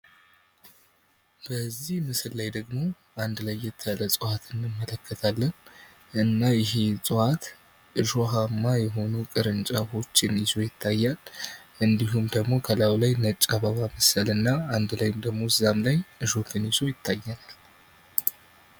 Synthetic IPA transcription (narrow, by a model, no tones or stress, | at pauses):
b̥əzːihmɨsɨllajd̪əɡmo̞ | ʔand̪lajːɛt̪ʰːəaləsʼɨhat̪ʰɨnːɨmːələkʰːət̪ʰalːən | ʔɨnːajɪɦe̞sʼɨhat̪ | ʔɨʒo̞ɦamːajɛɦo̞nukʼɨɾɨnt͡ʃʼaho̞t͡ʃːɪnɪzo̞jɪt̪ʰːajːalʔɨnd̪iɦumd̪əɡmo̞kʰəlawlajnət͡ʃʼːaβaβaməsəlɨnːaand̪lajɪmd̪əɡmo̞ɨzamlajʔɨʒo̞k̪ʰɨnjɪzo̞jɪt̪ʰːajːɛnal